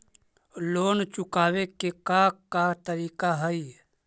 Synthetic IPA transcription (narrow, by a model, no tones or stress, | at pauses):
loːnt͡ʃʊkaːwekekakːat̪əɾiːkaɦəi